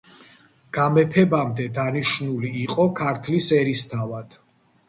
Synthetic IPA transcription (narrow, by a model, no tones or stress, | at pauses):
ɡ̥amɛpʰɛbamd̪ɛd̪aniʃnuliːqʼɔkʰaɾt̪ʰlisɛɾist̪ʰavad̪̥